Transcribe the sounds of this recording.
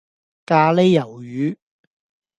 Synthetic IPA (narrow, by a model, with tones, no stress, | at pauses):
kaː˧le˥jːɐ˨˩wjyː˨˧˥